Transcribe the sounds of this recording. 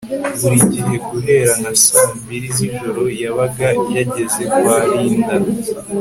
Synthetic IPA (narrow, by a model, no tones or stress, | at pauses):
βuɾiɟiɦe̞ɡuɦe̞ɾanasaːmbiɾiɦiʒo̞ɾo̞jaβaɡajaɟe̞ze̞kuwaɾiːnda